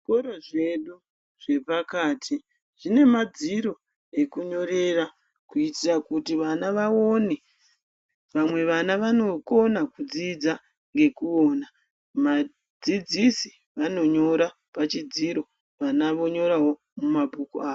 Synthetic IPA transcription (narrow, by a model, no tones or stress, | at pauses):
ʐikoɾoʐe̞ɗu | ʐ̥e̞pakaːtʰi | ʐ̥ine̞mad͡ziɾo̞ | e̞kuɲo̞re̞ra | kuitirakutiʋanaʋao̞ne | ʋamwe̞ʋanaʋano̞ko̞nakud͡zid͡za | ŋɡe̞kuo̞ːna | ma | d͡zid͡zisi̥ | ʋano̞ɲo̞ɾa | pat͡ʃid͡ziɾo̞ | ʋanaʋo̞ɲo̞ɾaɦo̞ | mumabʱuko̰aː